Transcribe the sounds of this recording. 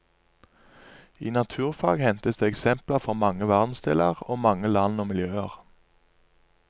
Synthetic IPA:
iːnɑt̪ʰʉːʁfɑːɡhɛnt̪əsd̪eːɛksɛmpləʁfɔʁmɑŋəʋæʁd̪n̩st̪ɪləʁoːmɑŋəlɑnoːmɪljøːəʁ

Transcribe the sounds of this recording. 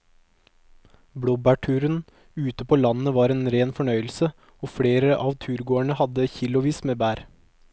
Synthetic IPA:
bɽoːbæːʈʰʉːɾən | ʉːt̪əpʰoːlɑnəʋɑːɾeːnɾeːnfɔɳœʏəl̩sə | oːfɽeːɾəʔɑːʋt̪ʰʉːɾɡoːæɳəhɑd̪əçɪlʊʋiːsmeːbæːɾ

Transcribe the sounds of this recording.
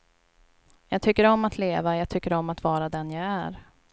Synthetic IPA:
jɑːɡ̚t̪ʰʏkːəɾɔmːat̪ʰleːvajɑːɡ̚t̪ʰʏkːəɾɔmːat̪vɑːɾad̪ɛnjaɡæɾ

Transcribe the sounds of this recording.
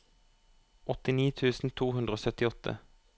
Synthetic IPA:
ʔɔt̪ɪniːt̪ʰʉːsn̩t̪ʰuːhʉnd̪ʁoːsœt̪ɪɔt̪ʰə̰

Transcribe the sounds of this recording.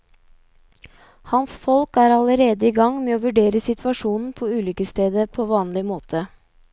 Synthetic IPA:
hɑnsfɔlkæːɾɑləɾeːd̪əiːɡɑŋmeːoːʋʉɖeːɾəsɪt̪ʰʋɑʃuːnn̩pʰoːʉːlʏkəst̪eːd̪əpʰoːʋɑːnlɪmoːt̪ʰə

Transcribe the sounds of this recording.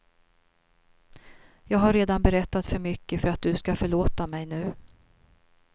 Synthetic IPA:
jɑːɡɦaɾːeːd̪anbɛɾɛt̪ːat̪fœɾmʏkːəfœɾat̪̚d̪ɵskafœɭoːt̪amɛjnʉ̟ː

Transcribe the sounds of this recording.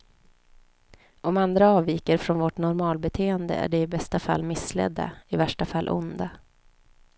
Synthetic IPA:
ɔmand̪ɾaɑːviːkəɾfɾɔnvɔʈnɔɾmɑːlbɛt̪ʰeːənd̪ə̰æ̰ɖɛɪbɛst̪afa̰lːmɪsːlɛ̰d̪ːa̰ɪvæʂʈafalːʔʊ̰nd̪a

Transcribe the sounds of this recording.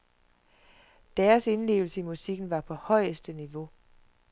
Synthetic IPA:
d̥æːɐse̝nle̝̰ːʊl̩səimusiɡ̥n̩ʋɑ̈pʰɒ̽hɒ̽ɪ̰əsd̥əniʋo̝

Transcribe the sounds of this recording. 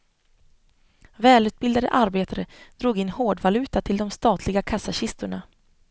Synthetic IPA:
vɛːlʉ̟ːt̪̚bɪld̪ad̪ə̰ʔaɾbeːt̪ʰaɾəd̪̥ɾuːɡɪnhoːɖvalʉ̟ːt̪at̪ʰɪld̪ɔmst̪ɑːt̪ʰlɪɡakʰasːaɕɪst̪ʊɳa

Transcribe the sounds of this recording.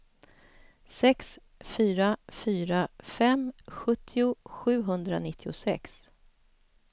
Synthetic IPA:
sɛks | fyːɾafyːɾafɛmɧɵt̪ʰːɪʊɧʉ̟ːɦɵnd̪ɾa̰nɪt̪ʰːɪʊsɛ̰ks

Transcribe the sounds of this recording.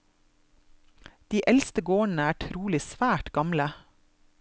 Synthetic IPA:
d̪̥iːʔɛlst̪əɡoːɳ̩əæːʈʰɾuːlɪsʋæːʈɡ̥ɑmlə

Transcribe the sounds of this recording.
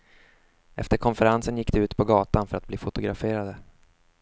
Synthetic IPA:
ɛ̰ft̪əɾkʰɔnfəɾansənjɪkːd̪ɛʉ̟ːt̪pʰɔɡɑːt̪anfœɾat̪̚bliːfʊt̪ʊɡɾafeːɾad̪ə

